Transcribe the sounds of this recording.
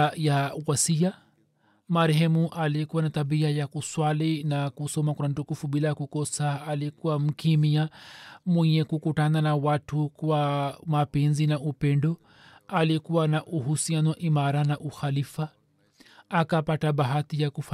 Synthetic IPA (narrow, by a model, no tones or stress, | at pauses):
jawasia | maɾɛɦɛmuʔaliɛkuwanataɓiajakuswalinakusɔmakwan̩tukufuɓilakukɔsaːlikuwam̩kimiamwɛɲɛkukutananawatukwamapɛnzinaupɛndɔ | alikuwanaʔuɦusianɔʔimaɾanaʔuxalifaː | kapataɓaɦatijakuf